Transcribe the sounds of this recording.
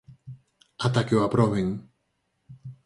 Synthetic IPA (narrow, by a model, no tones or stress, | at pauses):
at̪akeoapɾoβeŋ